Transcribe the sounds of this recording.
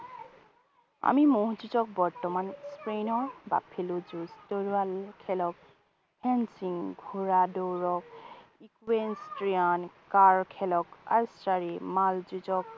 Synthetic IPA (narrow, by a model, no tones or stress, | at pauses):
a̰mimoɦzuzɔk̚bɔɹtɔmanspɹenɔɹba̰pʰeluzustoɹualkʰɛlɔk̚ | hɛnsiŋɡʱuɹadowɹɔk̚ikwenstɹiankaɹkʰɛlɔka̰ɹsɹaɹimald͡ʒuzɔk̚